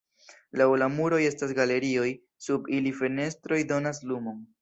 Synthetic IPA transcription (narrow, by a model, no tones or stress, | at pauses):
lawlamuɾo̞je̞stasɡale̞ɾio̞j | subilife̞ne̞stɾo̞jdo̞naslumo̞n